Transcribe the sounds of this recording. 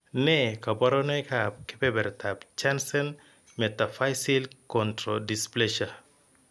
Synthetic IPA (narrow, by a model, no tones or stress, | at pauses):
nɛkabɔɾɔnɛkap̚kɪbɛbɛɾtʰabt͡ʃansɛn | mɛtafajsilkɔntɾodispleʃa